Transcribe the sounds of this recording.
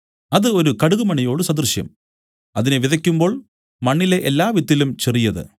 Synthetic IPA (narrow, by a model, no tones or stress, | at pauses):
ɐðɨo̞ɾukɐɽuɣumɐɳijo̞ːɽusɐd̪rɕjɐ̰m | ɐðineʋiðɐkʲːumbo̞ːɭ | mɐɳːile̞ʔelːaːʋit̪ːilumt͡ɕerijɐðɨ̰